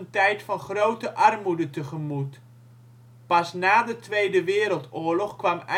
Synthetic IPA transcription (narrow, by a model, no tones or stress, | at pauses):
ntɛjtfɑnχrowtəʔɑrmudətəχəmut | pɑsnaːdətʋejdəʋɪːɾəlˠtʊːɹlɔχkʋɑmɛ